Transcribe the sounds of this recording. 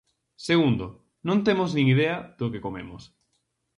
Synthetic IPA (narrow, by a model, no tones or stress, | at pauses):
seɣund̪o | nõnt̪emʊznĩŋiðeað̥okekomemʊs